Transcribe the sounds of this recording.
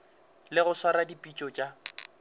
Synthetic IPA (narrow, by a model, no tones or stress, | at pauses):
lɪɣʊsaɾadipʼit͡ʃʼɔt͡ʃʼa